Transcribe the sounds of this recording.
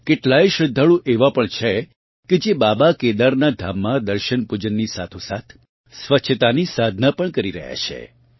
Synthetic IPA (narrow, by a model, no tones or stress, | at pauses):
keʈlaeʃɾəd̪ʱːəɭũʔeʋapəɳt͡ʃʰe | ked͡ʒebabaked̪aɾnad̪ʱamːãd̪əɾʃənpud͡ʒənːisa̰t̪ʰusat̪ʰ | sʋəʃʰət̪anisad̪ʱnapəɳkəɾiɾə̰ɦja̰t͡ʃʰḛ